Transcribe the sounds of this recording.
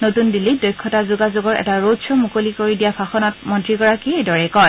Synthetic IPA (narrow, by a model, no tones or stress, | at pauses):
notundilidɔjkʰːɔtazuɡazoɡɔɹʔɛ̰taɹodsɔmukolikoɹidijapʰaxɔnɔt̚mɔntɹiɡɔɹakiejdɔɹɛkɔj